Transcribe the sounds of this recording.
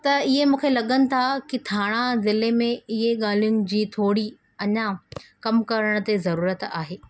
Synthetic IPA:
t̪ɐɪɦemũːkʰelɐɠənɪ̆t̪ʰakit̪ʰaːɽ̃azɪlemẽɪɦeɠaːl̤ijʊnɪ̆d͡ʑiːt̪ʰoːɽi | ɐɲakɐmkɐɾəɽ̃t̪ezɐɾuːɾət̪aːɦeː

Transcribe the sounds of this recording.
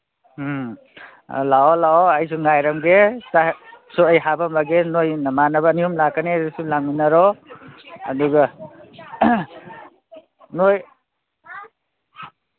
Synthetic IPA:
laɔlaɔajs̬uŋajɾamɡesasuəjɦabamaɡenojnamanabaniumlakanesulaŋminaɾɔ̰ː | duɡa | noj

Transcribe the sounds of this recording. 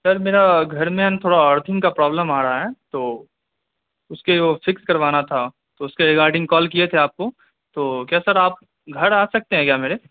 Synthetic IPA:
sɐɾmeːɾaɡʱɐɾmẽːnt̪ʰoːɽaəɾt̪ʰɪ̃ŋɡkapɾɔːbləmaːɾɐɦaɦɛːt̪oː | ʊskeʋofɪkskɐɾʋaːnat̪ʰa | t̪oʊskeɾɪɡaːɾɖɪ̃ŋɡkɔːlkiet̪ʰeaːp̚ko | t̪oːkjaːsɐɾaːp̚ | ɡʱɐɾaːsɐk̚t̪eɦɛ̃kjaːmeːɾe

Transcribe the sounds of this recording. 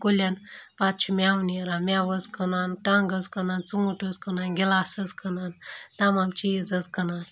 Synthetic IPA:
kolanpat̪̚t͡ʃʰumʲawniəɾamʲaʋəd͡zkənanʈãŋɡəd͡zkənant͡suŋɡuʈʰuzkənanɡʲelasəd͡zkənant̪amamt͡ʃid͡zət͡skənan

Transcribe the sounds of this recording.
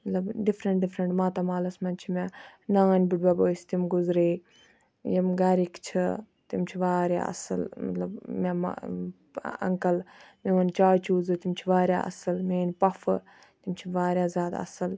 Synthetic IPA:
mɐt̪lɐbɖifɾɐɳʈ̚ɖifɾɐɳʈmaːt̪ɐmaːlɐsmɐnt͡ʃʰimʲanaːnʲbiʈbaboːst̪imɡʊzɾeː | jɐmɡaːɾikt͡ʃʰi | t̪imt͡ʃʰiʋaːɾʲja̰ɐ̰sɨ̰lmɐ̰t̪lɐbmʲam̰ | ɐ̰ŋkɐlmiʋɐnt͡ʃaːjt͡ʃuːzɨt̪imt͡ʃʰiʋaːɾʲja̰ːʔɐ̰sɨlmeːnʲpɐfɨ | t̪imt͡ʃʰiʋaːɾjaːzʲaːd̪ɐ̰sɨl

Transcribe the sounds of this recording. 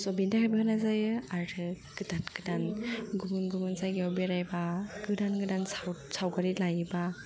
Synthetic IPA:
sɔbindakʰajbakɯnazajɯaɾɯ | ɡ̥ɯdanɡɯdanɡumunɡumɯnzajɡiɔbiɾajbaɡɯdanɡɯdansawsawɡaɾilajba

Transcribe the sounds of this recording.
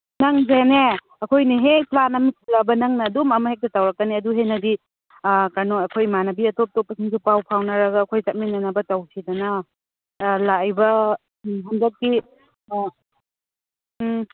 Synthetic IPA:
nɐŋzene | ɐkʰojniɦeplanɐmisʰilabɐnɐŋnɐdumɐmɐhek̚tɐtawɾɐkːɐniɐduɦenɐdi | kanoɐkʰojmanɐbiɐtop̚top̚ːɐsʰiŋsupawpʰawnɐɾɐɡɐːkʰojsɐt̚minɐnɐbɐtawsʰidɐnɐ | lajbɐ | ɦandɐt̚ki

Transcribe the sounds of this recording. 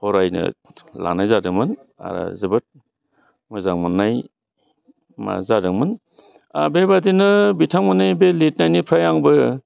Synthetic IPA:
hɔɾajnɯ̰la̰najzadɯŋmɯn | a̰ɾɯ̰zɯbɯt̚ | mɯzaŋmɯnːaj | ma̰zadɯŋmɯn | a̰bebadinɯbitʰaŋmɯnajbelet̚najnipʰɾajaŋbɯ

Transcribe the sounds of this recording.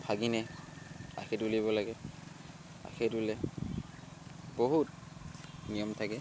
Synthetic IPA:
pʰaɡinɛ | a̰kʰɛtuliβɔlaɡɛ | a̰kʰɛtulɛ | boɦut | nijɔmtʰakɛ

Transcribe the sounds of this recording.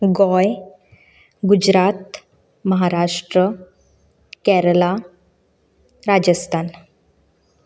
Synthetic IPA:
ɡɔj | ɡud͡ʑɾat̪ | məɦaɾaʂʈɾə | kɛɾəla | ɾad͡ʑəst̪ʰan

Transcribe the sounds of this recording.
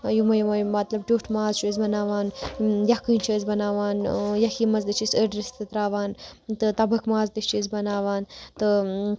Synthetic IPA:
jumɐjumɐjmɐt̪lɐb̚ʈʲoːʈʰmaːzt͡ʃuːzbɐnaːʋaːnjɐkɨːnʲt͡ʃʰɐːzbɐnaːʋaːnjɐkiːmɐzd̪ɨt͡ʃʰisəɖɾist̪ɨt̪ɾaːʋaːnt̪ɨt̪ɐbɐkmaːzd̪iʃt͡ʃizbɐnaːʋaːnt̪ɨ

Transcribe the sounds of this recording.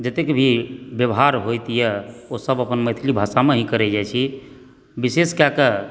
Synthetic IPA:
d͡ʒət̪ekebʱibjəbɦaɾɦojt̪ijɛosəbəpənmət̪ʰilibʱasameɦĩkəɾɛd͡ʒajt͡ʃʰi | biseskjakə

